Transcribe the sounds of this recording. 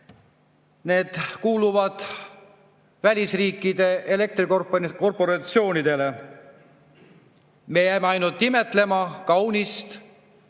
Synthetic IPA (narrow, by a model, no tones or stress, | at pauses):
ne̞ːd̪̥kuːluvɑd̪̥ | vælʲisriːkːˑid̪̥e̞ʔele̞k̚t̪rikoko̞rpo̞ɾɑt̪sio̞ːnid̪̥e̞le̞ | me̞jæjmeɑjnult̪ˑːime̞t̪ˑle̞mɑkɑwnist̪